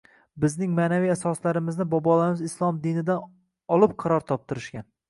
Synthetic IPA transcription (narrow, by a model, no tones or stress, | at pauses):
bɪznɪŋmaːnavijasɒslaɾɪmɪznɪbɒbɒlamɪzɪslˠɒmd̪ɪnɪd̪an | ɒlˠɪp̚qʰɑɾɒɾt̪ʰɒp̚t̪ɪɾɪʃkʲan